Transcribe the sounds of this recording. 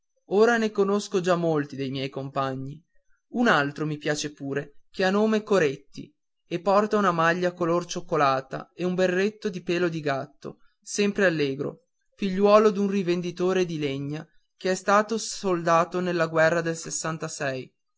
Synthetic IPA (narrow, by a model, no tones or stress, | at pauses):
oːɾanekonoskod͡ʒamːolt̪id̪ejmjɛjkompaɲːi | unalt̪ɾomipjaːt͡ʃepuːɾek̟eanːoːmekoɾet̪ːḭ | epːɔrt̪aunamaʎːakolort͡ʃokːolaːt̪a̰eumberːet̪ːod̪ipeːlod̪iɡat̪ːo̰ | sɛmpɾealːeːɡɾo̰ | fiʎːwɔːlod̪unrivend̪it̪oːɾed̪ileɲːa | k̟eɛst̪aːt̪osold̪aːt̪onelːaɡwɛrːad̪elsesːant̪asɛj